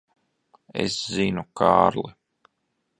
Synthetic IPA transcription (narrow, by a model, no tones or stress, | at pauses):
ḛszinukʰa̰ːɾlˠi